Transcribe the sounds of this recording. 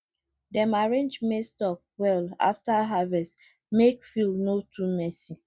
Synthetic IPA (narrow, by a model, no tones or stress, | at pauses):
dɛmaɹẽnd͡ʒmestɔk̚wɛla̰ftaɦavɛst | mekfilnotʰumɛsi